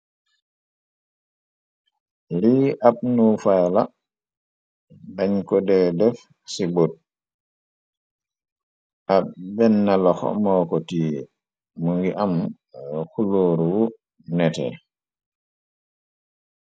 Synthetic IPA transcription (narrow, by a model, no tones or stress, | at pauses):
liʔaɓ̚nufajla | daɲkɔdɛdɛf | sibod̚ | ʔaɓbɛnːalɔxɔ̰mɔkɔtiː | muŋɡiʔam | xuloːɾuwu | nɛtɛ̰